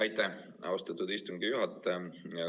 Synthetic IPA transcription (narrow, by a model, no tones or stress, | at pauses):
ɑjt̪ːˑæ | ʔɑ̰wst̪ɑt̪ːud̪ist̪uŋɡijuɦɑt̪ːˑjɑ